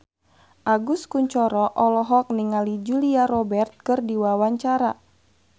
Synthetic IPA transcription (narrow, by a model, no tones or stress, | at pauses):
ʔaɡuskuɲt͡ʃɔɾɔʔɔlɔɦɔk̚niŋalid͡ʒuliaɾɔbɛrt̪̚kɨrdiwawaɲt͡ʃaɾa